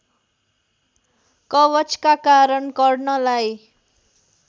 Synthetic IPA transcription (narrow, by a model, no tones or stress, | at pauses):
kʌbʌt͡skakaɾʌnɡʌrnʌlaj